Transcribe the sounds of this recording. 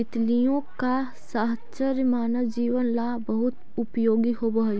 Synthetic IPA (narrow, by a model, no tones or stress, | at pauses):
ɪt̪lijõka | saɦt͡ʃəɾmaːnəʋd͡ʒiːʋənlabɐɦʊt̪ | ʊpjoːɡiɦoːbɐɦ